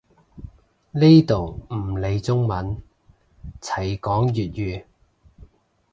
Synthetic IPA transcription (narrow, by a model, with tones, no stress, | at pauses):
li˥jt̪o˨wm̩˨˩le˨˧jt͡sʊ˥ŋmɐ˨˥n | t͡sʰɐ˨˩jkɔː˨˥ŋjyː˨t̚jyː˨˧